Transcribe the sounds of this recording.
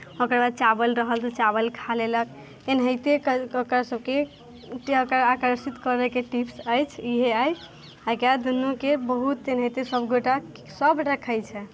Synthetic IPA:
okəɾbad̪̚t͡ʃabəlɾəɦəlt̪ɔt͡ʃabəlkʰalelək̚ | enɦəjt̪eokɾasəb̚ke | okəɾakəɾsit̪kəɾəkeʈipʰsəjt͡ʃʰiɦeaj | akad̪unːokebəɦut̪enɦəjt̪esəbɡoʈa | səbʈəkʰəjt͡ʃʰɛ

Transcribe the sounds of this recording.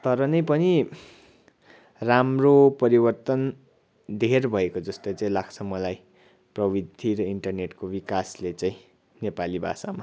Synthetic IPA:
t̪ʌɾʌnʌjpʌni | ramropʌɾibʌrt̪ʌn | d̪ʱerbʱʌekod͡zʌst̪ojt͡saĩlaɡ̚t͡sʰʌmʌlaj | prʌbid̪ʱiɾʌiɳʈʌrneʈkobikaslet͡saĩ | nepalibʱa̰sama

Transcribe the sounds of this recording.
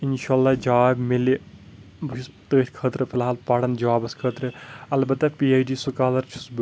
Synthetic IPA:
inʃaːlːaːd͡ʒaːibmili | buʃʰist̪əːt̪ʲkʰəːt̪ɾɨfʰilɦaːlpaɽɐnd͡ʒɐwaːbɐskʰəːt̪ɾɨɐlbɐt̪ːapiːaːjɖiːsukaːlɐɾt͡ʃʰu̥sb

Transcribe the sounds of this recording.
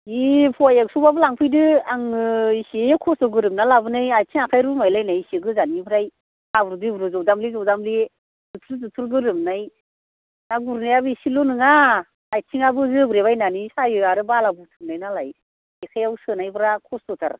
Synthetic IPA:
ipʰuajaɡsubabɯlaŋpʰɯjdɯaŋɯisekʰɔsdɔɡɯɾɯmnalabɯnajajtʰiŋakʰajɾɯmajlajnajiseɡɯzanibɯɾaj | abuɾdɯbɾɯzɔwdamlizɔwdamli | zɯtʰɾzɯtʰuɾɡɯɾɯmnaj | naɡuɾnajabɯisilonɯŋaː | jtʰiŋabɯzɯbɾeβajnanisajɯaɾɯbalabɯtʰɯm̚najnalaj | ikʰajawsɯnajbɯɾakʰɔsdɔtʰa̰ɾ

